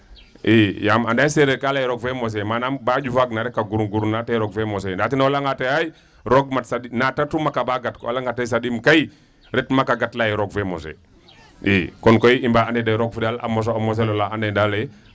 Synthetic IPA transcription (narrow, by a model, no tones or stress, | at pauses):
ʔijamandajseɾekalajɛɾɔɡfemos̬ɛmanambaɟufaɡnaɾɛkːaɡuɾuɡuɾunateɾɔɡfɛmɔs̬ɛndatinaolaŋɡatejaj | ɾoɡ̚matsadinatatumakabaɡatkɔa̰laŋɡatajs̬adimkai | ɾɛtmakaɡatlajɛɾɔɡ̚femo̰sḛ | ʔikɔnkoiimbaandedaɾɔɡfidala̰mɔs̬oamɔs̬elolaandedalɛ